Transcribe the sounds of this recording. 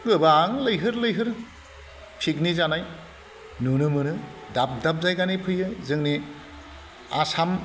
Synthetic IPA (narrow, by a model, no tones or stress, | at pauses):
ɡɯbaŋlɯjɦɯɾlɯjɦɯɾ | pʰik̚nizanaj | nunɯmɯnɯdap̚dap̚zajɡanipʰɯjɯjzɯŋni | asam